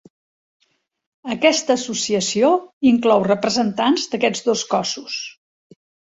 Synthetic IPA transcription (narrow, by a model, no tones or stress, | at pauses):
əkɛst̪əːsusiəsioiŋklɔwrəpɾəzənt̪anzd̪əkɛd͡zd̪oskɔsus